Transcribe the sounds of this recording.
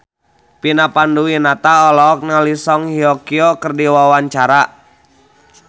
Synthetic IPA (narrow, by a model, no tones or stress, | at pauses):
pinapanduwinat̪aɔlɔːk̚nalisɔŋhiɔkiɔkərdiwawaɲt͡ʃaɾa